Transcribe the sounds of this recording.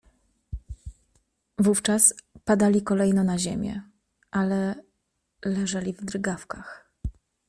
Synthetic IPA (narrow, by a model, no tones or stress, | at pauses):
vuft͡ʂaspad̪alʲikɔlɛjnɔnaʑemʲjɛ̰ | ʔalɛ | lɛʐalʲivd̪ɾɘɡafkax